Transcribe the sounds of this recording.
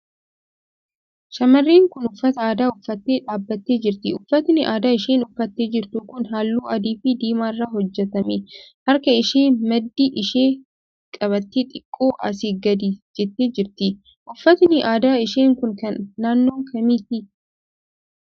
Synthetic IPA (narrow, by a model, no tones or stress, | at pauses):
ʃɐmɐrːeːŋkʊnʊfːɐt̪ɐaːd̪aːʊfːɐt̪ːeːᶑaːbːɐt̪ːe̞ːd͡ʒɪɾt̪ɪʊfːɐt̪nɪʔaːd̪aːɪʃeːnʊfːɐt̪ːe̞ːd͡ʒɪɾt̪ʊkʊnɦaːlːuːɐd̪iːfɪd̪iːmaːɪrːaːɦɔd͡ʒːɛt̪ɐmehɐɾkɐɪʃeːnmɐd̪ːiʔɪʃeː | kʼɐβɐt̪ːeːt̪ʼɪkʼːoːʔɐ̰s̬iːɡɐd̪ɪd͡ʒɛt̪ːeːd͡ʒɪɾt̪ɪ | ʔʊfːɐt̪nɪʔaːd̪aːɪʃeːŋkʊŋkɐnːaːnːo̞ːŋkʰɐmiːt̪ɪ